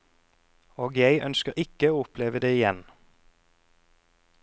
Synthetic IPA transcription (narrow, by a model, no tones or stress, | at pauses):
oːɡjæɪʔœ̰nskəʁɪkəoːʊpʰleːʋəd̪eːɪjɛn